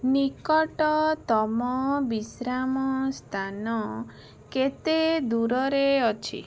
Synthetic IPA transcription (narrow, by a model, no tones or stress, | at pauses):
nikɔʈɔt̪ɔmɔbisɾamɔst̪ʰanɔ | ket̪ed̪uɾɔɾeɔt͡ʃʰḭ